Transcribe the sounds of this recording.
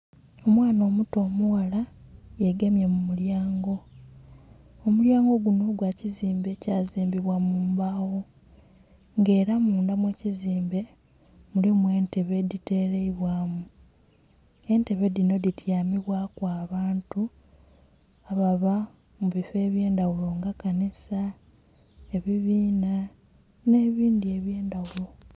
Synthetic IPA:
o̞mwaːno̞ːmuto̞ːmuɣalajeɡemjemumuljaːŋɡo̞ | muljaːŋɡo̞ɡuno̞ɡwaːciziːmbecaːziːmbiβwamuːmbaːwo̞ | ŋɡe̞ːɾamuːndamwe̞ːciziːmbe̞ | mulimwe̞ːnte̞βe̞dite̞ːɾeiβwaːmu | e̞nte̞βe̞dino̞ditjaːmiβwakwaːβaːntu | aβaβa | muβife̞ːβje̞ːndawulo̞ŋɡakanisa | e̞βiβiːna | ne̞ːβiːndie̞βje̞ːndawulo̞

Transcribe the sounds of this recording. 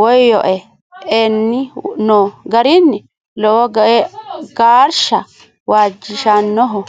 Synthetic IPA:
wɔjjɔʔɛ | ʔɛnːɪnɔɡɐɾɪnːɪ | lɔwɔɛɡaːɾʃɐ | waːd͡ʒːɪʃɐnːɔɦɔ

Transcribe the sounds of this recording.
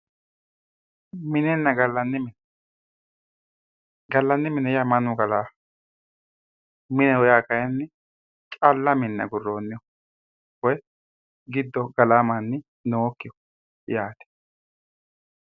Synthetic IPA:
mɪnɛnːɐɡɐlːɐnːɪmɪn | ɡɐlːɐnːɪmɪnɛjamɐnʊɡɐlaː | mɪnɛwɔjaːkɐjɐnːɪ | t͡ʃʼɐlːɐmɪnːɐ̰ɡʊrːoːnːɪjɔ | wɔj | ɡɪd̪ːɔɡɐlaːmɐnːɪ | noːkːɪjɔ | jaːt̪ɛ̥

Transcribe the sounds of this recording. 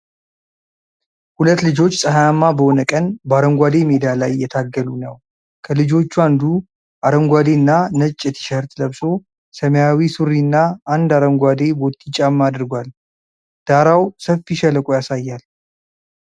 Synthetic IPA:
hulət̪ːlɨd͡ʒo̞t͡ʃːsʼəɦajamːabəho̞nəkʼənbəaɾəŋɡʷad̪e̞med̪alajːɛt̪ʰaɡːəlunəw | kʰəlɨd͡ʒo̞t͡ʃːuand̪u | ʔaɾəŋɡʷad̪e̞nːanət͡ʃʼːɪt̪ʰi̥ʃəɾt̪ləβso̞ | səmejawisuɾinːaːnd̪aɾəŋɡʷad̪e̞bo̞t̪ːit͡ʃʼːamːad̪ɨɾɡʷal | d̪̥aɾawsəfːiʃɛləkʼujasajːal

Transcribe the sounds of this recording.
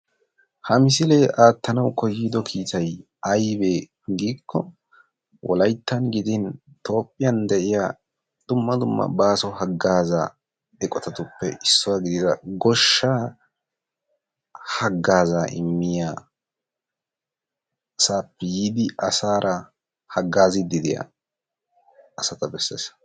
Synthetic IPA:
hɐmɪsɪleːʔaːt̪ːɐnɐwkɔjːiːd̪ɔkʰiːt̪ʰɐj | ɐjbeː | ɡiːkʰːɔ | wʔɔ̰lɐjt̪ːɐnɡɪd̪ɪn | t̪o̞ːpʼːɪjɐnd̪ɛʔɪjaː | d̪̥ʊmːɐd̪ʊmːɐ̰baːsɔhɐɡːaːza̰ː | ɛkʼɔt̪ɐt̪ʊpːɛʔɪsːɔwaɡɪd̪ɪd̪ɐɡɔʃːaː | hɐɡːaːzaːʔɪmːɪjaː | ɐsaːpːɛjiːd̪ɪʔɐsaːɾʔɐ | hɐɡːaːzɪd̪ɪd̪ɪja̰ | sɐt̪ɐbɛsːḛːs

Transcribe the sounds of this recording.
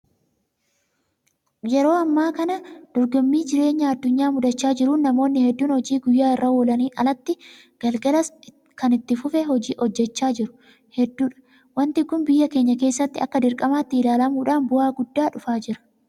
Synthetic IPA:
jɛɾo̞ːɐmːaːkɐnɐd̪̥ɔɾɡɔmːiːd͡ʒɪɾe̞ːɲːaɐd̪ːʊɲːaːmʊd̪ɐt͡ʃːaːd͡ʒɪɾuːnːɐmo̞ːnːɪhɛd̪ːuːnhɔd͡ʒiːɡʊjːaːɪrːɐwɔlɐniːʔɐ̰lɐt̪ːɪ | ɡ̥ɐlɡɐlɐs | kɐnɪt̪ːɪfʊfɛhɔd͡ʒiːʔɔd͡ʒːɛt͡ʃːaːd͡ʒɪɾʊ̥ | hɛd̪ːuːᶑɐ̥ | wɐnt̪ɪkʊmbɪjːɐke̞ːɲːɐke̞ːsːɐt̪ːɪɐkːɐd̪ɪɾkʼɐmaːt̪ːɪɪlaːlɐmuːᶑaːnbʊaːɡʊd̪ːaːᶑʊfaːd͡ʒɪɾɐ̥

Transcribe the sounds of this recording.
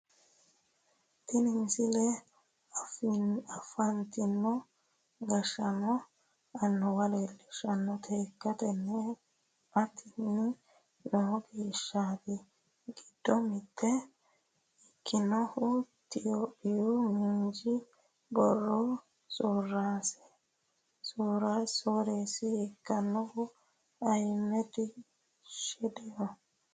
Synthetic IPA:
t̪ɪnɪnsɪlɛ | ɐfnɐfɐnt̪ɪnːɔ | ɡɐʃɐnɔ | ɐnːɔwɐlelɛʃɐnːɔt̪ʰeːkːɐt̪ɛnːɛ | ɐt̪ʰːɪnːɪ | noːɡeːʃːaːt̪ɛ | ɡɪd̪̥ːɔmɪt̪ːɛ | ɪkʰːɪnɔhʊ | t̪ɪjoːpɪjumɪnd͡ʒɪ | bɔrːɔ | soːrːaːsɛ̥ | soːɾɐsoːɾeːsɪːkːɐnːɔhʊ | ɐjmːɛt̪ɪ | ʃɛd̪ɛjɔ

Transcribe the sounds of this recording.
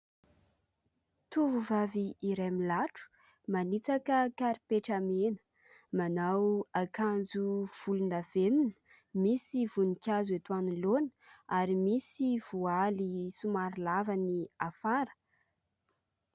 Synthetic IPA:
t̪uvuvaviːɾajmilaʈ͡ʂu̥ | manit͡sakəkaɾipeʈ͡ʂamenə̥ | manawakand͡zuv̥ulunaveninə̥ | misivunikʲazet̪wanilonə̥aɾimisiv̥ualisumaɾilavaniafaɾə̥

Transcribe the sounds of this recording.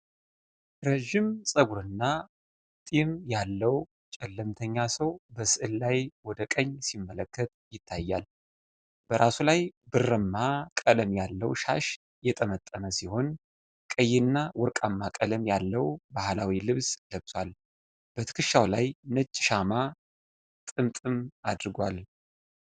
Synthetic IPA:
ɾeʒimsʼəɡuɾɨnːa | t̪ʼimjalːəw | t͡ʃʼɛlːɨmt̪ʰəɲːasəwbəsɨʔɨlːajwɔd̪əkʼəɲːsimːələkʰːət̪̚jɪt̪ʰːajːal | b̥əɾʔasulajbɨrːɨmːakʼələmjalːəwʃa̰ʃ | jɛt̪ʼəmət̪ʼːəməsiho̞n | kʼəjːɪnːawɔɾkʼamːakʼələmjalːəwbahlawilɨβsləβswal | b̥ət̪ʰɨ̥kʰɨʃːawlajnət͡ʃʼːʃama | t̪ʼɨmt̪ʼɨmad̪ɾɡʷal

